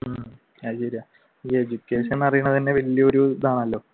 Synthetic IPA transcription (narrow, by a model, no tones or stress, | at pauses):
aːɕeɾija | ied͡ʑukːeːʂenːɐrijuɳːɐðɐnːe̞ʋeljɐoɾud̪aːɳɐlːo̞ː